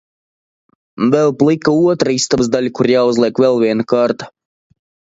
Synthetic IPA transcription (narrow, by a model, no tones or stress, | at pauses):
vɛlˠplˠikauɔt̪ɾaist̪abzd̪alʲkuɾjaːuzlʲˠiɛkvʲɛlˠvʲiɛnakaɾt̪ḁ